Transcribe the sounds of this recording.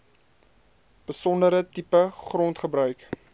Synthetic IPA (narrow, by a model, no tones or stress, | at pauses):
b̥əsɔndəɾətipəχrɔntχəbɾœɥk